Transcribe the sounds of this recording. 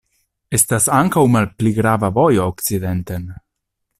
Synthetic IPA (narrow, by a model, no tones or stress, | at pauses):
est̪asaŋkawmalpliɡɾavavɔjookt͡sid̪ɛnt̪en